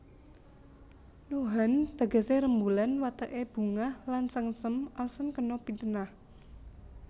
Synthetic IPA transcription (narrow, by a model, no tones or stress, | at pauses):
noɦant̪a̤ɡa̤seɾəmbulanwat̪əʔeb̥ṳŋahlansəŋsəmʔasənkənɔpint̪ənah